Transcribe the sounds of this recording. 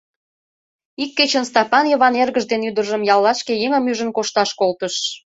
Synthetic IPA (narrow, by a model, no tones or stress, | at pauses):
ikːet͡ɕənst̪ɑpɑnjə̆βɑnerɣəʒd̪enyd̪ərʒəmjɑlːɑʃkejeŋə̆myʒə̆nkoʃt̪ɑʃkolt̪əʃ